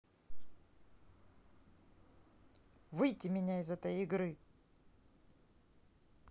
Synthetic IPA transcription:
vɨjtʲɪmʲɪnʲaɪzɛt̪əjɪɡɾɨ

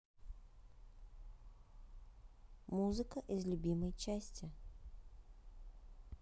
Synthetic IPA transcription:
muzɨkəʔɪzlʲʊbʲiməjt͡ɕæsʲtʲɪ

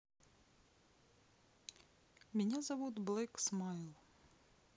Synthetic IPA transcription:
mʲinʲazɐʋud̪blˠɪksmɑjlˠ

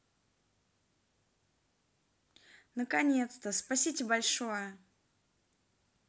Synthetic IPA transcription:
nəkɐnʲe̞t̪st̪əspɐsʲitʲɪbɐlʲʂojə

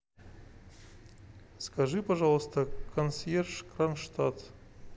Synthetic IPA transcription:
skɐʐɨpɐʐɑlˠst̪əkʰɐnsjʲerʂkɾanʂt̪at̪

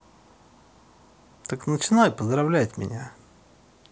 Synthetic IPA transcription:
t̪əknət͡ɕɪnajpəzd̪ɾavlʲætʲmʲɪ̰nʲa

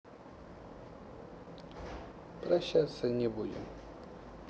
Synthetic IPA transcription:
pɾɐɕːat̪sənʲɪbudʲɪ̰m

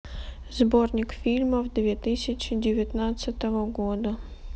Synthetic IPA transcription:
zbornʲɪkfʲilʲməvd̪vʲet̪ɨsʲɪt͡ɕɪdʲɪvʲɪt̪nat̪sət̪əvəɡod̪ə

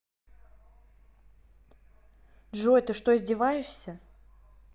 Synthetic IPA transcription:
dʐojt̪ɨʂt̪o̞ɪzʲdʲɪvajɪʂsʲə

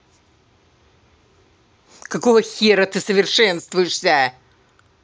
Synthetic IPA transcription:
kɐkovəxʲeɾət̪ɨsəvʲɪrʂɛnst̪vʊjɪʂsʲa

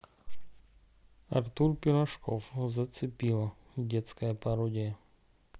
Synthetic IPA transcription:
ɐ̰rt̪urpʲɪɾɐʂkɔfzɐt̪sɨpʲilˠɐdʲɛt̪skɐjɐpɐɾɔdʲɪjə

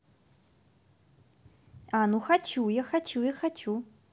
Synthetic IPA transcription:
anuxat͡ɕujaxat͡ɕujaxat͡ɕu

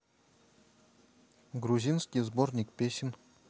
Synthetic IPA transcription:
ɡruzʲinskʲijzbornʲikpʲeɕɪn

